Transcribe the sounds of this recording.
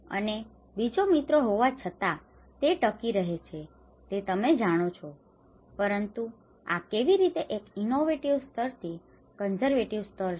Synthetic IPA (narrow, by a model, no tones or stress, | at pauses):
ə̰ne | bid͡ʒomit̪ɾoɦoʋat͡ʃʰət̪a | t̪eʈəkiɾəɦet͡ʃʰe | t̪et̪əmed͡ʒaɽ̃ot͡ʃʰo | pəɾənt̪u | a̰keʋiɾit̪eʔekinoʋeʈiʋst̪əɾt̪ʰi | kənzəɾʋeʈiʋst̪əɾ